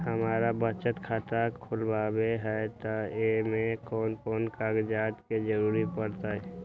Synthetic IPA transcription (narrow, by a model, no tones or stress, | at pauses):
ɦəmaːɾabət͡ʃət̪kʰaːt̪akʰʊlbaːbeɦɛt̪oemẽkɔːnkɔːnkaːɡd͡ʒaːt̪ked͡ʒəɾuːɾipəɽt̪aɦɛ